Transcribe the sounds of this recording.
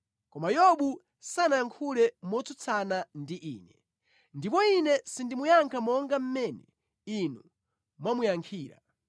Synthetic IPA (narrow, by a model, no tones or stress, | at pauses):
kɔmajɔɓu | sanaaŋkʰulɛmɔt͡sut͡sʰanandiʔiːnɛ | ndipɔinɛsindimujaŋkʰamɔŋɡam̩mɛnɛ | inu | mwamujaŋkʰiːɾa̰